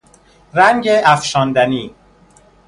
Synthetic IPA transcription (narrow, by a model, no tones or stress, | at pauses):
ɾæŋɟeʔæfʃɒːnd̪æniː